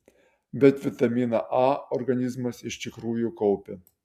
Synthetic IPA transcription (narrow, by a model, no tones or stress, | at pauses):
bʲɛt̪ʋʲɪt̪ɐmʲiːnɐʔɑːɔɾɡɐnʲɪzmɐsɪʃt̪ʲɪkɾuːjukɔʊpʲe